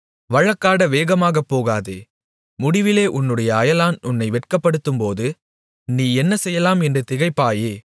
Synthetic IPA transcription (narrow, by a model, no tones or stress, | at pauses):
ʋɐɻɐkːaːɽɐʋeːɣɐmaːɣɐpːoːɣaːðḛː | mʊɽɪʋɪleːʔʊnːɯɽɐjɐːjɐlaːnʊnːɐɪʋɛʈkɐpːɐɽɯt̪ːɯmpoːðɯ | niːɛnːɐsɛjːɐlaːmɛndrɯt̪ɪɣɐɪpːaːjeː